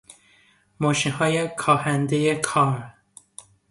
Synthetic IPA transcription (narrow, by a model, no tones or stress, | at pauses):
mɒːʃinɦɒːjekʰɒːhænd̪ejekʰɒːm